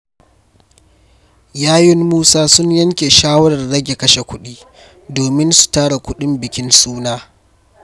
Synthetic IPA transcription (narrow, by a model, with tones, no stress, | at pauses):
jaː˦jɪ˦mmuː˦saː˦sʊ˦ɲjɐ˦ŋkʲe˨ʃaː˦wɐ˦ɽɐ˨rːɐ˦ɡʲe˨kɐ˦ʃe˨kʷʊ˦ɗiː˦ | doː˨mɪ˦nsu̥˨taː˦ɽa˨kʷʊ˦ɗɪ˦mbɪ˨kʲɪ˦nsuː˦naː˦